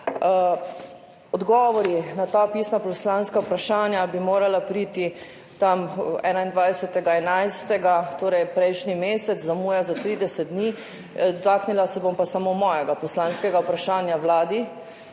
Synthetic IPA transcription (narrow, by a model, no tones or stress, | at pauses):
ɔd̪ɡɔːʋɔɾinat̪apiːsnapɔslanskaupɾaʃaːnjabimoːɾalapɾiːt̪i | t̪amɛ̰ːnaind̪ʋajd̪sɛt̪ɛɡaɛnajst̪ɛɡat̪oːɾɛjpɾɛjʃnimeːsɛt̪zzamuːjazat̪ɾiːd̪ɛsɛt̪̚d̪ni | d̪ɔt̪aːknilasɛbompasamomɔːjɛɡapɔslanskɛɡapɾaʃaːnjawlaːd̪i